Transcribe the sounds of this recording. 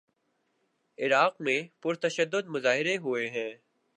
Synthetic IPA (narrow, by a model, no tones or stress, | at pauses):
ɪɾaːqmẽpʊɾt̪ɐʃəd̪ːʊd̪mʊzaːɦɪɾeɦʊeɦɛ̃ː